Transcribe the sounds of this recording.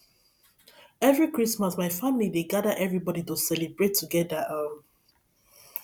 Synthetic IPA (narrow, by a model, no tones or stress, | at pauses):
ɛvɹikɹismasmaɪfamilideɡadəʔɛvɹibɔditusɛlibɹetʰːuɡɛdəa